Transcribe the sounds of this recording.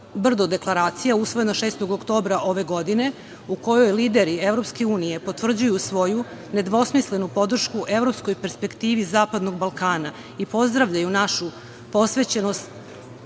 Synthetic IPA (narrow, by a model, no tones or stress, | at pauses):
br̩d̪od̪e̞klˠaɾaːt̪sijausʋo̞je̞naʃeːst̪o̞ɡokt̪o̞ːbɾaʔo̞ʋe̞ɡo̞d̪ine̞ | uko̞jo̞jliːd̪e̞ɾieʋɾo̞pske̞uːnije̞po̞t̪ʋr̩d͡ʑujusʋo̞ju | ne̞d̪ʋo̞smisle̞nupo̞d̪r̩ʃkuʔe̞vɾo̞psko̞jpe̞ɾspe̞kt̪iːʋizaːpad̪no̞ɡ̚balˠkaːna | ipo̞zd̪ɾaʋʎajunaʃu | po̞sʋe̞t͡ɕe̞nost̪